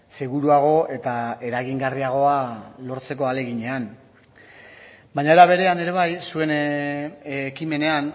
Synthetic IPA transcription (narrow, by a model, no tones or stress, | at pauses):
se̞ɣuɾuaɣ̞o̞e̞t̪ae̞ɾaɣiŋɡariaɣ̞o̞alo̞ɾt͡se̞k̬o̞ale̞ɣiɲe̞an | baɲaeɾaβe̞ɾe̞ane̞ɾe̞β̞ajsue̞n | kime̞ne̞an